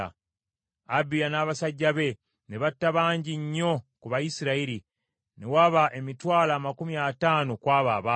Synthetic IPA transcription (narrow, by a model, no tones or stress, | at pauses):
abijanaːβasaɟːaβe̞ | ne̞βatːaβaːɲɟiɲːo̞kuβajisiɾaiɾi | ne̞waβaʔe̞mitwaːlaːmakumiataːnokwaːβa̰ːβa